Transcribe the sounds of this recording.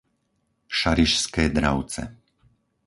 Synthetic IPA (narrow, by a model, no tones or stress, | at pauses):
ʃaɾiʃskɛːd̪ɾa̰ʊt͡sɛ̰